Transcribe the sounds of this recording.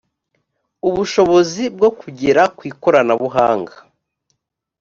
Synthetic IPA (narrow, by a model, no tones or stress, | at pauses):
uβuʃo̞βo̞zib̚ɡo̞kuɟiɾakwiːkoɾanaβuɦaːŋɡa